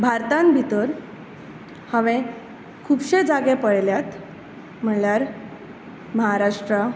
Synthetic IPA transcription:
bʱaɾt̪ãnbʱit̪əɾ | həʋẽ | kʰuːbɕed͡zaɡẽpəɽljat̪ | m̤əɳljaɾ | məɦaɾaʂʈɾə

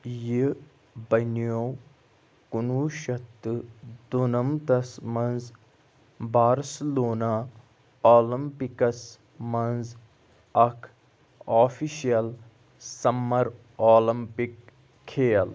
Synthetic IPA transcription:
ji | bɐnijoː | kunuːʃɐt̪ːɨd̪onɐmt̪ɐsmɐnz | baːɾsiloːnaː | oːlɐmpikɐs | mɐnz | ɐkʰ | aːfiʃijɐl | sɐmːɐɾ | oːlɐmpikʰː | eːɐl

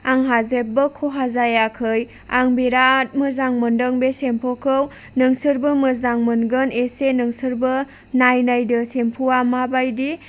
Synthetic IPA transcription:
aŋɦazep̚bɯkʰoɦazajakʰɯj | aŋbeɾat̚mɯzaŋmɯndəŋbesempʰɔkʰɯw | nɯŋsɯɾbɯmɯzaŋmɯnɡɯnesenɯŋsɯɾbɯ | najnajdɯsempʰuamabajdi

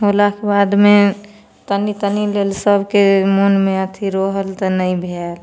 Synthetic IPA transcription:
ɦolakebad̪me | t̪ənit̪ənilelsəbʱkemonmẽət̪ʰiɾoɦəlt̪ənəĩbʱel

